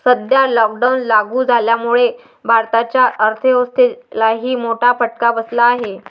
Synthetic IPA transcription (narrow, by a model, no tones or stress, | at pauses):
səd̪ʱjalɔk̚ɖawnlaɡuːd͡zʱaljamuɭe | bʱaɾt̪at͡ɕjaʔəɾt̪ʰəost̪elaɦiːmoʈʰafəʈ̚kabəslaːɦe